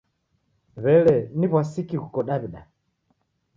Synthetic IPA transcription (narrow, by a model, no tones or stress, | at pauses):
βɛlɛniβwasikikukɔɗaβiɗa